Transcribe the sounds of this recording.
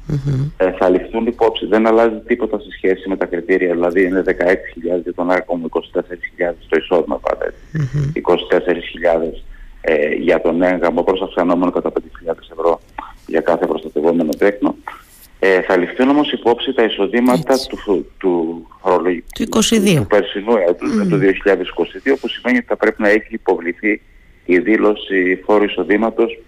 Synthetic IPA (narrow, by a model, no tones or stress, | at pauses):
θɐlifθunipo̞psiðe̞nɐlɐzit̪ipo̞t̪ɐsesçe̞sime̞t̪ɐkɾit̪iɾʔiɐðilɐðiine̞ðe̞kɐe̞ksi̥çiʎɐðezʝɐt̪o̞nɐkomuiko̞si̥t̪e̞se̞ɾisçiʎɐðe̞st̪o̞iso̞ðimɐ̰pɐ̰ɾḛt̪i̥iko̞si̥t̪e̞se̞ɾisçiʎɐðe̞s | ʝɐt̪o̞neeŋɣɐmo̞pɾosɐfksɐno̞me̞nokɐt̪ɐpend̪eçiʎɐðe̞se̞vɾo̞ | ʝɐkɐθepɾo̞st̪ɐt̪e̞vome̞no̞t̪ekno̞ | eθɐlifθuno̞mo̞sipo̞psit̪ɐiso̞ðimɐt̪ɐt̪ut̪ufoɾolouikosiðiouupeɾsinuɐt̪uzmet̪uðio̞çiʎɐðe̞si̥ko̞siðiopusime̞niot̪i̥θɐpɾe̞pinɐeçiːpo̞vliθiː | ðilo̞sifo̞ɾuiso̞ðimɐt̪o̞s